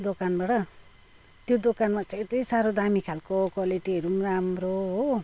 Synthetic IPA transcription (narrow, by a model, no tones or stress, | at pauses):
d̪okanbaʈʌ | t̪jod̪okanmat͡set̪ijsaɾod̪amikʰalkokwaliʈiɦʌɾumɾamɾoɦo